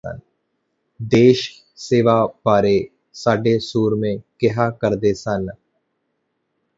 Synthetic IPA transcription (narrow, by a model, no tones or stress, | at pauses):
ə̰n | d̪eːʃ | seːʋaːpaːɾe | saːɖesuːɾmẽkɪɦaːkəɾd̪eːsan